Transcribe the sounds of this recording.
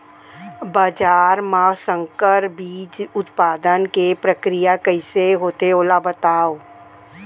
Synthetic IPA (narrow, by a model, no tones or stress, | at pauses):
baːd͡ʒaːɾmãsə̃ŋkəɾbiːd͡ʒʊt̪paːd̪ənkepɾəkɾijakəɪseɦoːt̪eoːlabət̪aːoː